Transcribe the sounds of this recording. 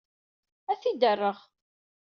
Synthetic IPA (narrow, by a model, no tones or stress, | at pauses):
æθid̪ərːəʁ